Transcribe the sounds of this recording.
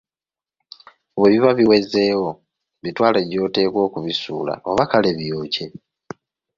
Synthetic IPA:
βwe̞ːβiβaβiwe̞ze̞ːwo̞ | βitwaːleɟo̞ːte̞ːkwo̞ːkuβisuːla̰ʔo̞βakale̞βjo̞ːce̞

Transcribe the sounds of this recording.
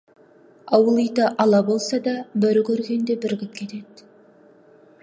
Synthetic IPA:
ɑwəlˠijt̪ɑʔɑlˠɑbo̞lˠsɑd̪ɑbæɾɪkʲʰɵɾɡʲe̞nd̪e̞bɪɾɡʲɪp̚kʲʰe̞t̪e̞d̪

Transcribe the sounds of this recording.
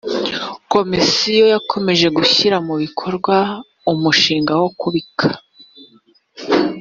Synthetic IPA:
ko̞misijo̞jakʰo̞me̞ʒe̞ɡuçiɾamuβikʰo̞ɾɡwa | umuʃiːŋɡawo̞kuβikʰḁ

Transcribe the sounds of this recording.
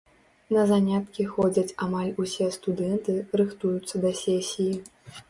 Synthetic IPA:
nɐzanʲat̪kʲixɔd͡zʲɐt͡sʲamalʲusʲɛst̪ud̪ɛnt̪ɨɾɨxt̪ujut̪sːɐd̪ɐsʲesʲiji

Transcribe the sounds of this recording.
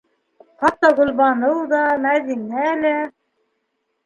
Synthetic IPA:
χɑt̪ːɑʁɵ̆lˠβɑnɤwd̪ɑmæðinælæ

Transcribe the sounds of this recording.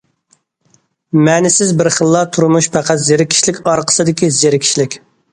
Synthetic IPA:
mɛnɪsɪzbɪɾχəlˠːɑt̪ʰuɾumuʃpʰæqʰæt̪zeɾɪkʲʰi̥ʃlɪkʲɑɾqʰə̥sɨd̪ɪkʲizeɾɪkʲʰi̥ʃlɪkʲ

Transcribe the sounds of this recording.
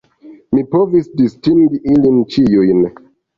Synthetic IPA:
mipovisdistiŋɡiʔilint͡ʃijujn

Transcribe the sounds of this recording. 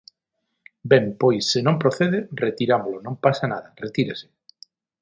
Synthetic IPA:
bɛmpojsːenõmpɾoθeðeret̪iɾamolonõmpasanaðɐret̪iɾese̥

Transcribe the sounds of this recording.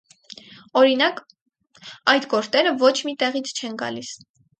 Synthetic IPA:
ɔɾinɑk | ɑjt̪ɡɔɾt͡s̪ɛɾəvɔt͡ʃʰmit̪ɛʁit͡sʰt͡ʃʰɛnɡɑ̰lis

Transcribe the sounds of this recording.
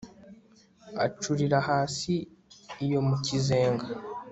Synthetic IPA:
a̰t͡ʃuɾiɾahaːsiː | jo̞mucize̞ːŋɡa

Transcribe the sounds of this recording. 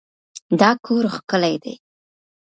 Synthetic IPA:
d̪ɑkʰoɾxkəlajd̪ḛj

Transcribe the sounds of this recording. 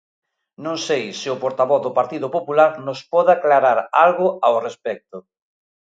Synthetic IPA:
nõŋsejsɪʊpoɾt̪aβɔθðʊpaɾt̪iðopopulaɾnospɔðaklaɾaɾalɣʊaorespɛk̚t̪ʊ

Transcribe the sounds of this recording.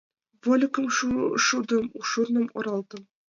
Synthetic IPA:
volʲɪkɤ̆mʃʃud̪ɤ̆muʃurnɤ̆mŏ̰ɾɑlˠd̪ɤ̆m

